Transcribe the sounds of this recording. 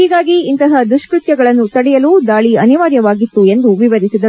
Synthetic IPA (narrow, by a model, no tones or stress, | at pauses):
hiːɡaːɡiːnt̪ɐɦɐd̪uʂkɾut̪jɐɡɐɭɐnːut̪ɐɽɛjɐluːd̪aːɭiɐniʋaːɾjɐʋaːɡit̪ːue̞nd̪uʋiʋɐd̪isid̪ɐ